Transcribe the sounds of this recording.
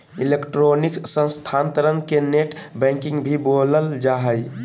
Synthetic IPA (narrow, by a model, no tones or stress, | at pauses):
ilekʈɾoniksə̃nst̪ʰant̪əɾənkeneʈbɛ̃ŋkĩŋɡbʱiboləld͡ʒaɦəj